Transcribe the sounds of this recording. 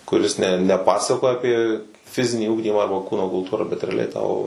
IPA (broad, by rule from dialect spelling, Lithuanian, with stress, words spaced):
kʊˈrʲɪs nʲɛ nʲɛ ˈpɑːsɐkoːjɛ ɐˈpʲiɛ ˈfʲɪzʲɪnʲiː ˈʊɡdʲiːmɑː ˈɐrbɐ ˈkuːnoː kʊlˠˈtuːrɐ bʲɛt rʲɛɐˈlʲɛɪ tɐʊ